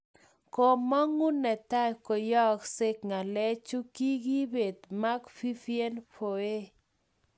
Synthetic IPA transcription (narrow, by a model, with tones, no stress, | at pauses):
ko˨mɔ˦ŋu˦nɛ˨t̪a˦ko˨jɔ˦ksɪ˦kŋa˨lɛ˦t͡ʃu˦ki˦ɡi˦be˨t̪ma˦ɡfi˦fje˦npʰo˨e˦